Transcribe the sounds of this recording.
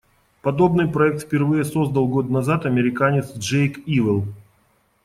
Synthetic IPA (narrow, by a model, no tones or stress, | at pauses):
pɐd̪o̞bnɨjpɾɐɛk̚t̪fpʲɪrvɨjəso̞zd̪əlˠɡo̞t̪nɐzat̪ɐmʲɪɾʲɪkanʲɪt̪sʐejkivʲɪlˠ